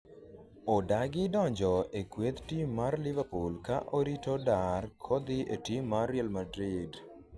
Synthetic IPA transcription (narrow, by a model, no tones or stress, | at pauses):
odaɡɪdɔɲd͡ʒɔekwet̪timːarlɪvapulkaʔoɾitodarkʰod̪ɪʔetimːaɾjɛlmadɾɪd